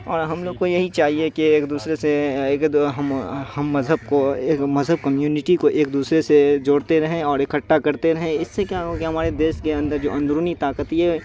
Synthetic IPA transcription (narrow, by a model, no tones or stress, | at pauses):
ɔːɾɦɐmloːɡ̚kojɐɦit͡ʃaːɦiekieːkd̪uːsɾeseeːkɦɐmhɐmːɐzɦəb̚koeːkmɐzɦəb̚kɐmjuːnɪʈikoʔeːk̚d̪uːsɾesed͡ʒoːɽt̪eɾɐɦẽɔːɾekɐʈːakɐɾt̪eɾɐɦẽɪsːekjaɦõkɦɐmaːɾed̪eːʃkeɐ̃nd̪əɾd͡ʒo̰ːɐ̃nd̪ɾuːnit̪aːkət̪iɦɛː